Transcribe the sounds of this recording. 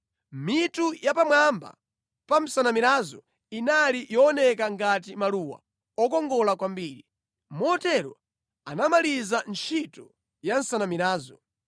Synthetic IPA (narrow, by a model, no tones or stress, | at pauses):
mitujapamwamba̰ | pam̩sanamiɾazɔ | inalijɔɔnɛkaŋɡatimaluːwa̰ | ɔkɔŋɡɔlakwambiːɾi | mɔtɛɾɔ | anamalizant͡ʃʰitɔ | jan̩sanamiɾaːzɔ